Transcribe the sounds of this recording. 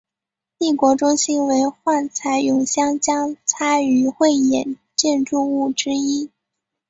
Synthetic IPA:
t̪i˥˩kwɔ˧˥ʈ͡ʂʊ˥ŋɕi˥nwe˧˥ɪxwa˥˩nt͡sʰa˧˥ɪjʊ˧˥ŋɕjɑ˥ŋt͡ɕjɑ˥ŋt͡sʰa˥y˧˥xwe˥˩ɪjɛ˨˩n | t͡ɕjɛ˥˧nʈ͡ʂu˥˧u˥˩ʈ͡ʂɻ̩˥i˥

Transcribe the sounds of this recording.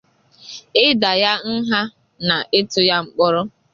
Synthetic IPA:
ɪ˦da˨ja˦n̩˦ɦa˦ | na˨ʔɪ˦tʊ˦ja˦ŋ͡m̩˨k͡pɔ˦ɾʊ˦

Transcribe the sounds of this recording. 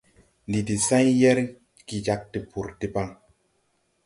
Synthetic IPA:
ndi˨ti˨sã˦jjɛ˦ɾ | ki˨d͡ʒa˦k̚ti˨pu˨ɾti˦pa˦ŋ

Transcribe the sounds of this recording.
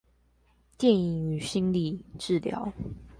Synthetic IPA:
t̪jɛ˥˨ni˨˩ŋy˨˩ɕi˥nli˥˧ʈ͡ʂɻ̩˥˨ljɑ̰˨˦ʊ

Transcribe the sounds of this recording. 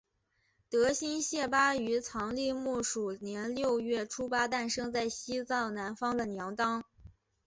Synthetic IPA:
t̪ɤ˧˥ɕi˥nɕjɛ˥˩pa˥y˧˥t͡sʰɑ˧˥ŋli˥˧mu˥˩ʂu˨˩njɛ˧˥nljo˥˧ʊɥɛ˥˩ʈ͡ʂʰu˥pa˥t̪a˥˩nʂɤ˥ŋt͡sa˥˩ɪɕi˥t͡sɑ˥˩ʊna˧˥nfɑ˥ŋd̪ə˨njɑ˧˥ŋt̪ɑ˥ŋ

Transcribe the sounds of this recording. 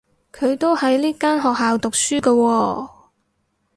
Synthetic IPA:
kʰɵ˨˧ɥt̪o˥whɐ˨˧jliː˥kaː˥nɦɔː˨k̚ɦaː˨wt̪ʊ˨k̚syː˥kɐ˧wɔː˧

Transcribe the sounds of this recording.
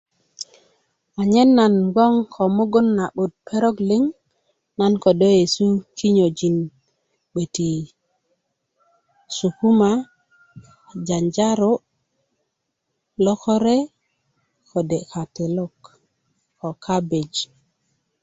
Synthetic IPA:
a˨ɲe˦nːa˨nɡo˦ŋkʰo˨mo˦ɡo˦nːa˨ɓo˨t̪̚pʰe˦ɾo˦kli˦ŋ | na˦nko˨do˦je˨su˦ki˦ɲo˨d͡ʒi˨n | ɓe˨ti˨ | su˨ku˦ma˦ | d͡ʒa˨nd͡ʒa˦ɾo˦ | lo˦ko˦ɾe˦ | kʰo˨de˨ka˨te˨lo˦k | ko˨kʰa˦be˨d͡ʒ

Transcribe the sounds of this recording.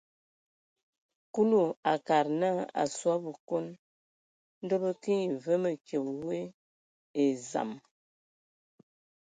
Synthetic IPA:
ku˦lu˦˨a˨ka˨ɾna˦a̰˨swa˦bə˨ko˦n | n̩˦do˦bə˦ki˦i˨və˦mə˨ke˨wwe˦ | e˨za̰˨m

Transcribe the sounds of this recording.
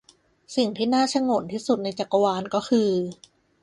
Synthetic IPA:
si˨˩ŋt̪ʰiː˥˩naː˥˩t͡ɕʰa˧˥˩ŋo˨˩˦nt̪ʰiː˥˩su˨˩t̪̚na˧jt͡ɕa˨˩kːa˧waː˧nkɔː˥˩kʰɯː˧

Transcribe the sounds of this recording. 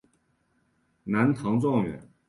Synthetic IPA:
na˧˥nt̪ʰɑ˧˥ŋt͡sɑ˥˩ŋɥɛ̰˨˩˦n

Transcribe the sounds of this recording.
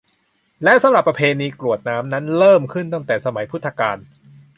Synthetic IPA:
lɛ˦˥ʔsa˨˦mɾa˨˩pːɾa˧pʰeː˧niː˧klu˨˩ət̪̚naː˦˥mna˦˥nɾɤː˥˩mkʰɯ˥˩nt̪a˥˩ŋt̪ɛː˨˩sa˧ma˩˦jpʰu˦˥t̪ʰːa˧kaː˧n

